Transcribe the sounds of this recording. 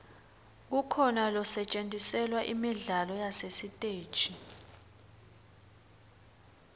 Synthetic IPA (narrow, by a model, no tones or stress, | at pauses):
k̬ukʰɔnalɔsɛt͡ʃʼentʼisɛlwaʔimiɮalɔjasesitʼe̥ːt͡ʃʼi